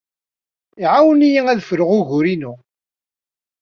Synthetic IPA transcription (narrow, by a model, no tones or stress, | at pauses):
iʕawənijiæðfɾəʁʊʝʊɾinu